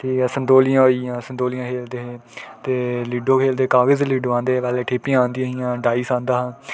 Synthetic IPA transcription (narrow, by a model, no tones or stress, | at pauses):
ʈʰiːkɛːsənd̪oːlɪjãːɦoːiãːsənd̪oːlɪjãːkʰeːld̪eːɦet̪eːliːɖoːkʰeːld̪eːkaːɡəzliːɖoãːnd̪eːʋɛːleːʈʰeːpiããːnd̪ijãɦijãːɖaːisãːnd̪aːɦãː